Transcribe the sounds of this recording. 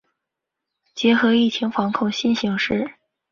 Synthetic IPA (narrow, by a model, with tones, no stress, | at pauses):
t͡ɕjɛ˧˥xɤ˧˥i˥˩t͡ɕʰi˧˥ŋfɑ˧˥ŋkʰʊ˥˧ŋɕi˥˩nɕi˧˥ŋʂɻ̩˥˩